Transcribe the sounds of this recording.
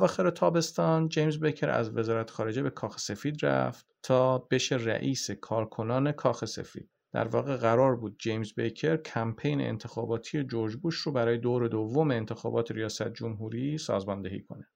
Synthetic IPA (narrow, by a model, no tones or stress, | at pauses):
ævɒːxeɾet̪ʰɒːbe̞st̪ɒːnd͡ʒejmzbecʰeɾæ̰zve̞zɒːɾæt̪ʰe̥xɒːɾe̞d͡ʒe̞be̞kʰɒːxe̥se̞fiːd̪ræ̰ft̪t̪ʰɒːb̥e̞ʃeræ̰ʔiːse̞kʰɒːɾkʰo̞nɒːne̞kʰɒːxe̞sḛfḭːd̪̥̚d̪̥æ̰ɾvɒ̰ːɣeɣæɾɒːɾbuːd̪̚d͡ʒejmzbejcʰeɾcʰæmpʰejnḛḛnt̪ʰe̞xɒːbɒːt̪ʰije̞d͡ʒoɾd͡ʒbuːʃrobæɾɒːje̞d̪oːɾe̞d̪ovːomeːnt̪ʰexɒːbɒːt̪ʰeɾijɒːsæt̪̚ʰd͡ʒomɦuːɾisɒ̰ːzmɒnd̪ehḭːkʰo̞̰ne